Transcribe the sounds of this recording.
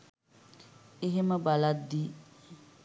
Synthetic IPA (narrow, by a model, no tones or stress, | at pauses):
eɦeməbalad̪ːi